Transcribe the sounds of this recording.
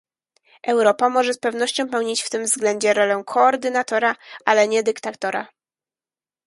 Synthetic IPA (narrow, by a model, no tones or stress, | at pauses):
ʔɛwɾɔpamɔʐɛspɛvn̪ɔɕt͡ɕɔ̃w̃pɛwɲit͡ɕft̪ɘmvzɡlɛnd͡ʑɛɾɔlɛwkʰɔːɾd̪ɘnat̪ɔɾaʔalɛɲɛd̪ɘkt̪at̪ɔɾa̰